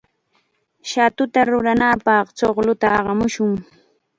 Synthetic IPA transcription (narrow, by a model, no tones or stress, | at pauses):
ʃat̪ʊt̪aɾʊɾanapɑχt͡ʃoχlʊt̪aɑɢɑmʊʃʊŋ